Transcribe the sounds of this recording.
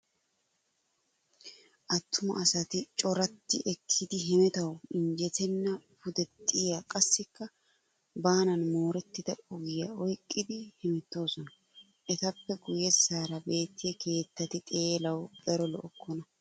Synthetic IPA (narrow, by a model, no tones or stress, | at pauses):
ʔɐt̪ːʊmɐ̰ʔɐsɐt̪ɪt͡ʃʼɔɾɐt̪ːɪʔɛkʰːɪd̪ɪɦɛmɛt̪ɐwɪɲd͡ʒɛt̪ʰɛnːɐfʊd̪ɛt̪ʼːɪjaːkʼɐsːɪkːɐ | baːnɐnmo̞ːɾɛt̪ːɪd̪̥ɐʔʊɡɪjɐɔjkʼːɪd̪ɪhɪmɛt̪ːo̞ːsɔnɐ | ʔɛt̪ɐpːɛɡʊjːɛssaːɾɐbe̞ːt̪ːɪjɛkʰe̞ːt̪ːɐt̪ɪt̪ʼeːlɐwd̪̥ɐɾɔlɔ̰ʔɔkːɔnɐ